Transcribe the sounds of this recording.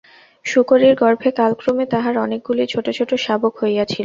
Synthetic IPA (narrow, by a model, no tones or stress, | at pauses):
ʃukoɾiɾɡɔɾbʱekalkɾomet̪aɦaɾɔnek̚ɡulit͡ɕʰoʈot͡ɕʰoʈoʃabokhoejat͡ɕʰil